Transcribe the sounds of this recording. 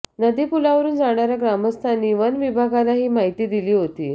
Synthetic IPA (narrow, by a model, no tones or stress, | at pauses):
nəd̪ipulaʋəɾuːnd͡zaɽ̃aɾjaɡɾaməst̪ʰaniːʋənʋibʱaɡalaɦiːmaɦit̪iːd̪iliːɦot̪iː